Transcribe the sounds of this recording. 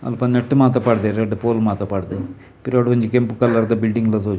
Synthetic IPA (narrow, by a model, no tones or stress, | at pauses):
ɐ̰lɐpɐnːɐʈːɯmaːt̪ɐpːaːɽɯðeɾɛɳɖɯpoːlmaːt̪ɐpːaːɽɯðɯ | piɾaːɽɯkɐɲd͡ʒɐkɛmpɯkːɐlːɐɾt̪ɐbɪlɖiŋɡlɐsoːt͡ʃ